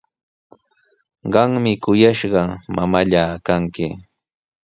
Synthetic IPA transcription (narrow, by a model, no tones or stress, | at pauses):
ɢɑŋmɪkʊjaʃɢɑmamaʎaːkaŋkɪ